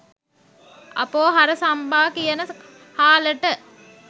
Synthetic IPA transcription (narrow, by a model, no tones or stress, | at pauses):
ɐ̰poːɦaɾəsambaːkijənə | haːləʈə